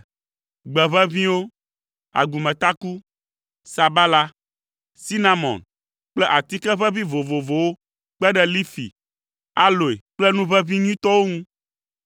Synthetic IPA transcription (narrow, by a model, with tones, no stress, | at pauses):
ɡ͡bɛ˨βɛ˦vĩ˦wo˦ | a̰˨ɡu˨mɛ̃˨t̪a˦ku˦ | sa˨ba˦la˦ | si˦nã˨mɔ̰̃˨n | k͡plɛ˦ʔa˨t̪i˦kɛ˦βɛ˦vĩ˦vo˨vo˨vo˨wo˦ | k͡pɛ˦ɖɛ˦li˦fḭ˨ | a˦lo˨e˨k͡plɛ˦nũ˦βɛ˦vĩ˦ɲ˦ĩ˦t̪ɔ˦wo˦ŋũ˦